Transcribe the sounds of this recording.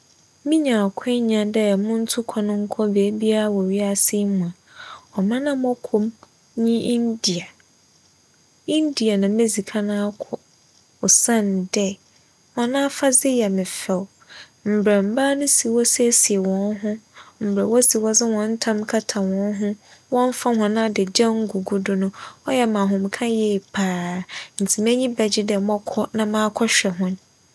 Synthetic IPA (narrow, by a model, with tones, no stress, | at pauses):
mĩ˦ɲã˨kʰɛ˦ɲã˨dɛ˦ɛ˨mʊ̃˦n̩˦tʰʊ˦kʰɔ˨nʊ̃˦ŋ̩˦kʰɔ˦be˨˦bi˦a˦˨wɔ˨ɥi˦a˦sɪ˦mũ˨ã˨ | ɔ˨mã˦nã˦m˦ɔ˦kʰo˦m | ɲĩ˦ʔi˦ndi˨a˨ | i˦ndi˨a˨nã˨me˦zi˨kʰa˦nã˦a˦kʰɔ˨ | ɔ˨sã˦n˨dɛ˦ | ɔ̃˨nã˦fa˦zɪ˦jɛ˨mɪ̃˨fɛ˨w | m̩˨bɾɛ˨m̩˨baː˦nʊ̃˦si˨wɔ˦sɛ˦si˨e˨wɔ̃˨nɦʊ̃˦m̩˨bɾɛ˨wɔ˦si˨wɔ˦zɪ˦wɔ̃˨n̩˦tʰã˦mkʰa˦tʰã˨wɔ̃˨˦n˦ɦʊ̃˦wɔ̃˦n˦fa˦ɦʊ̃˨nã˦˨dɛ˨d͡ʑã˦ŋ̩˦ɡu˨ɡu˦dʊ˦nʊ̃˦ɔ˦jɛ˦mã˨ɦʊ̃˨m˨kʰã˦jɛ˦˨pʰaː˨˦n̩˨tʰi˨m˦ɛ˦ɲĩ˦bɛ˨d͡ʑɪ˦dɛ˨mɔ̃˦kʰɔ˦nã˨mã˦kʰɔ˦ɕᶣɛ˨ɦʊ̃˦n